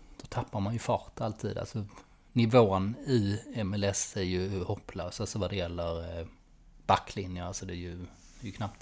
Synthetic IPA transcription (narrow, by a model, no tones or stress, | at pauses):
d̪̥ɔt̪ʰapːaɾmanjɵfɑːɾt̪ʰalt̪ʰḭːd̪a̰lsɔ | nɪvoːnɪɛmɛlɛsæɾjɵhɔpːløːsalsɔvad̪ɛjɛlːəɾ | b̥akːlɪnjəalsɔd̪ɛjɵ | d̪ɛɾjɵkʰnap̚t̪